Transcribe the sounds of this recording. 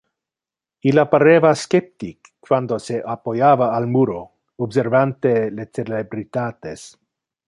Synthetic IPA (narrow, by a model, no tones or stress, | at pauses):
ilapaɾevaskep̚t̪ikː | wand̪oseʔapojavaːlmuɾo | obseɾvant̪elet͡selebɾit̪at̪es